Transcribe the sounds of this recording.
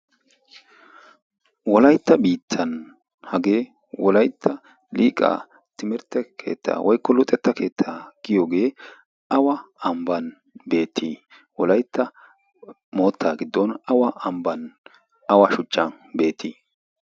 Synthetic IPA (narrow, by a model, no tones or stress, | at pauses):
wɔlɐjt̪ːɐbiːt̪ʰːɐn | hɐɡe̞ː | wɔlɐjt̪ʰːɐ | liːkʼa̰ː | t̪ɪmɪɾt̪ːɛkʰe̞ːt̪ʰːa̰ːwʔɔjkːɔlʊt̪ʼɛt̪ːɐke̞ːt̪ʰːaːɡ̥ɪjoːɡe̞ː | ʔɐwɐɐmbɐn | be̞ːt̪ʰːi | wɔlɐjt̪ːɐ | mo̞ːt̪ʰːaːɡɪd̪ːɔnɐwɐɐmbɐn | ɐwɐʃʊt͡ʃʼːɐn | be̞ːt̪ːiː